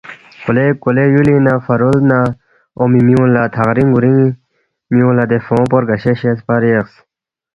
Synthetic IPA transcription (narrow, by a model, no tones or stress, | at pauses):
kolekolejulinaːfɐɾold̪na | omimiũːlat̪ʰaʁɾĩŋɡuɾiŋ | miũːlad̪efõːpoɾɡɐɕeɕespaɾieks